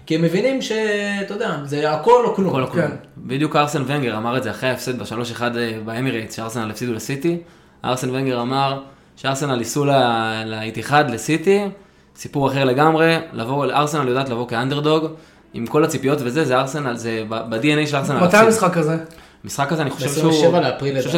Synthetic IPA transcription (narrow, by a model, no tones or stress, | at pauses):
kiemːevinimʃe̞t̪od̪eazeako̞loknukolokobid̪ijukaʁsenveŋɡe̞ʁamaʁedzeaχʁeaefsed̪beʃalo̞ʃeχad̪baemiʁejt͡sʃeaʁsenalefsid̪ulesit̪i | ʔa̰ʁsenveŋɡe̞ʁamaʁ | ʃeaʁsenalisulaleit̪iχad̪lesit̪i | sipuʁaχe̞ʁle̞ɡamʁe̞lavoʔaʁsenaljodaːt̪lavo̞keand̪eʁd̪o̞ɡ | imko̞lat͡sipijo̞tvezezeaʁsenalzebabad̪ienejʃelaʁsenamat̪ajamisχakaze | misχakːazeaniχoʃevʃeʃvaleapʁilʃe